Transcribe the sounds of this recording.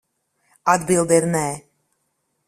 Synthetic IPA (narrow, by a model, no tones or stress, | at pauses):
ad̪bilˠd̪ɛɾnɛː